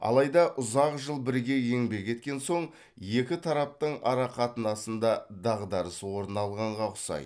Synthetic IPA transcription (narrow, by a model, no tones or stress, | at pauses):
ɑ̰lˠɑjd̪ɑʔʊzɑqʒəlˠbɪɾɡʲe̞je̞ŋbe̞kʲʰe̞t̪̚kʲe̞nso̞ɴ | je̞kʲɪt̪ʰɑɾɑp̚t̪əɴɑ̰ɾɑqʰɑt̪ənɑsənd̪ɑd̪ɑʁd̪ɑɾəswo̞ɾənɑlˠʁɑɴʁɑqʊ̥sɑ̰j